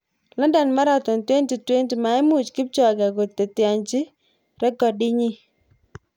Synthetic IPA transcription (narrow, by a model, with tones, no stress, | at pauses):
lɔ˦nda˨nma˦ɾa˨t̪ɔ˨ntwe˦nti˨twe˦nti˨ma˨ɪ˦mu˨t͡ʃkɪ˦p̚t͡ʃɔ˨ɡa˨ɡo˨tːe˨tja˨ɲt͡ʃi˦ | ɾɛ˦ɡɔ˨dɪ˦ɲi˦